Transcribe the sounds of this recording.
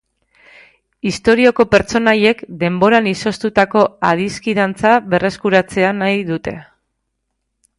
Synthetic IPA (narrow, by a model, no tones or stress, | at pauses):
ist̪o̞ɾio̞ko̞pe̞ɾt͡ʃo̞naje̞kd̪e̞mbo̞ɾaniso̞st̪ut̪ako̞að̞iskiðant͡saβe̞re̞skuɾat͡se̞anajðut̪e̞